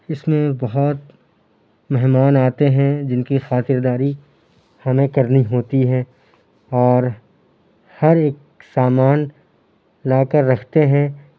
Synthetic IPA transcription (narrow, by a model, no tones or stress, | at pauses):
ɪsmẽbɐɦʊt̪ | mɛɦmaːnaːt̪eɦɛ̃d͡ʒɪnkixaːt̪ɪɾd̪aːɾi | hɐmẽkɐɾniɦoːt̪iɦɛ̃ | ɔːɾ | hɐɾeːk̚ | saːmaːn | laːkəɾːɐkʰt̪eɦɛ̃